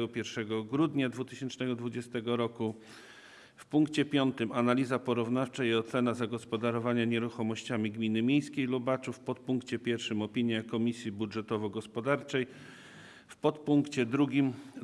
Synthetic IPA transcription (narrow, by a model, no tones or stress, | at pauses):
ɡɔpʲjɛɾʂɛɡɔɡɾud̪ɲad̪vut̪ɘɕɛnt͡ʂnɛɡɔd̪vud͡ʑɛst̪ɛɡɔɾɔku | fpuŋkt͡ɕɛpʲjɔnt̪ɘmanalʲizapɔɾuvnaft͡ʂaiɔt̪sɛnazaɡɔspɔd̪aɾɔvaɲaɲɛɾuxɔmɔɕt͡ɕamʲiɡmʲinɘmʲjejskʲejlubat͡ʂufpɔt̪̚puŋkt͡ɕɛpʲjɛɾfʂɘmɔpʲiɲjakɔmʲisʲjibudʐɛt̪ɔvɔɡɔspɔd̪aɾt͡ʂɛj | fpɔt̪̚puŋkt͡ɕɛd̪ɾuɡʲim